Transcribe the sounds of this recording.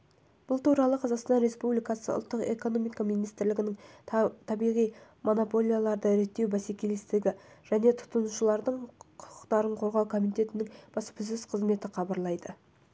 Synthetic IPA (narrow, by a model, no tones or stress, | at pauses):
b̥ʊlˠt̪ʰuɾɑlˠəqʰɑzɑqst̪ɑnɾe̞spublijkɑsə̰ʊ̰lˠt̪ːəqḛko̞no̞mijkɑmijnijst̪ɪɾlɪɡʲɪnɪŋt̪ʰɑbijʁijmo̞no̞po̞lʲijalˠɑɾd̪əɾe̞t̪ːewbæse̞kʲe̞lɪst̪ɪɡʲɪʒ̥æne̞t̪ʰʊ̥t̪ənuʃəlˠɑɾd̪əɴqʰʊ̥ʊ̥qt̪ɑɾəɴqʰo̞ɾʁɑwkʰo̞mijt̪e̞t̪ɪnɪŋb̥ɑspʰɪzɪsqʰəzme̞t̪ɪqʰɑbɑɾlˠɑjd̪ə